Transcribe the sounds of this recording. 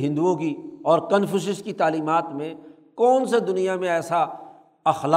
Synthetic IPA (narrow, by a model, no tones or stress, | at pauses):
ɦɪ̃nd̪uõkiɔːɾkɐnfɪʃ̬ɪskit̪aːliːmaːt̪mẽ | kɔːnsed̪ʊnijamẽɛːsa | ɐxla